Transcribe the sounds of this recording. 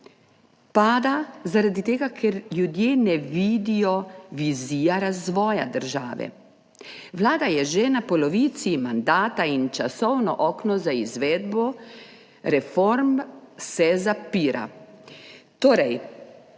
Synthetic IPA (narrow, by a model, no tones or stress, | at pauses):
paːd̪azaɾad̪it̪eːɡakʰɛɾljud̪jeːnɛʋiːd̪ijɔʋiziːjaɾazʋɔːja̰d̪əɾʒaːʋɛ̰ | ʋlaːd̪ajɛʒɛnapɔlɔʋiːt̪simand̪aːt̪aint͡ʃasɔwnɔʔɔːknɔzaizʋɛːd̪bɔ | ɾɛfɔɾmsɛzapiːɾʔa̰ | t̪oːɾɛj